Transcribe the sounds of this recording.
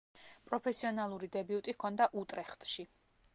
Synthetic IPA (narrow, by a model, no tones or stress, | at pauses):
pʼɾɔpʰɛsiɔnalˠuɾid̪ɛbiut̪ʼikʰɔnd̪aʔut̪ʼɾɛχt̪ʼʃi